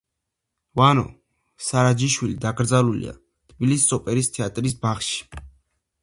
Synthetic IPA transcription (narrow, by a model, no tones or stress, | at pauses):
vanɔ̰ | saɾad͡ʒiʃwilid̪aɡɾd̪zalulḭa̰ | t̪ʰbilissʼɔpʼɛɾist̪ʰɛat̪ʼɾisbaχʃi̥